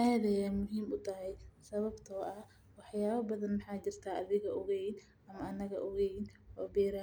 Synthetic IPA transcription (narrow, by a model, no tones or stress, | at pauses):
ajɐðɛjɛmʊɦiːmʊt̪ʰɐɦɛjsɐβɐbt̪ʰɔːʔɐ | wɑħjaːβɐbɐðɐnmɑħɑːt͡ʃɪr̥t̪ʰaːʔɐðɪɣɐʔɔɣɛjn | ɐmɐɐnɐɣɐ̰ʔɔɣɛjnʔɔːbɛːɾaː